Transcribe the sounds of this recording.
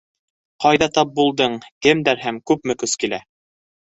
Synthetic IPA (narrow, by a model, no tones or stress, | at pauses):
qɑjðɑt̪ɑp̚bulˠd̪ɤɴkɘmd̪æɾhæmkʉp̚mɘ̆kɵskilæ